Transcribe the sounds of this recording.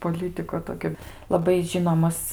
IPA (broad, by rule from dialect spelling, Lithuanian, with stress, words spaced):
poːˈlʲiːtʲɪkoː ˈtoːkʲoː lˠɐˈbɐɪ ˈʒʲɪnoːmɐs